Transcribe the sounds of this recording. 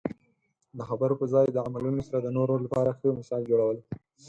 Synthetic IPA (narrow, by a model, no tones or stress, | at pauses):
d̪əxabəɾopəzɑjd̪əamalunosaɾad̪ənoɾoɾlapɑɾaxəmɪsɑld͡ʒoɽawəl